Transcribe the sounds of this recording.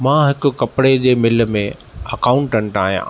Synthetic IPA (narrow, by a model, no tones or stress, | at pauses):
mãɦɪkʊ̆kɐpɽed͡ʑeːmɪl̆mẽ | ɐkaːʊ̃ɳʈə̃ɳʈaːɦijã̰